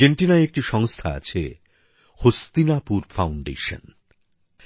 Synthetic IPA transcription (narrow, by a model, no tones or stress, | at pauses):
eɳʈinaeek̚ʈiʃɔŋst̪ʰaa̰t͡ɕʰḛ | host̪inapuɾfawɳɖḛʃə̰n